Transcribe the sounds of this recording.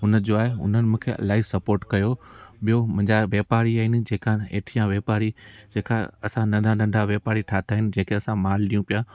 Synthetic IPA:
ɦʊnəd͡ʑoaːɦeʊ̰n̤ənɪ̆mũːkʰeɐ̰laːɪsɐpoːɾʈkɐjoɓijomʊ̃ɪ̃ɲd͡ʑaʋeːpaːɾiaːɦɪnɪ̆d͡ʑeːkaḛːʈʰijãʋeːpaːɾid͡ʑeːka̰ɐsãnɐ̃nd̪ʱanɐ̃ɳɖʱaʋjeːpaːɾiʈʰaːt̪ʰaːɦɪnɪ̆d͡ʑɐ̃ːkʰeɐsãmaːlɗijũpija

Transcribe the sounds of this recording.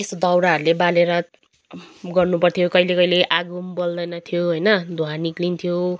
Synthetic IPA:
esd̪ʌwɾaʌɾulebaleɾʌ | ɡʌrnupʌrt̪ʰijokʌilekʌileʔaɡumbold̪ʌjnʌt̪ʰijoɦʌjnʌd̪ʱuaniklint̪ʰijo

